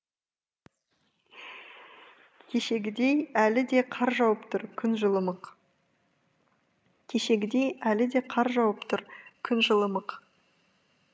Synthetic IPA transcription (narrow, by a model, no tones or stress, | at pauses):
kʲʰe̞ʃe̞ɡʲɪd̪e̞jælɪd̪e̞qʰɑɾʒɑwəpt̪ʰʊɾkʲʰʏnʒəlˠəməq | kʲʰe̞ʃe̞ɡʲɪd̪e̞jælɪd̪e̞qʰɑɾʒɑwəpt̪ʰʊɾkʲʰʏnʒəlˠəməq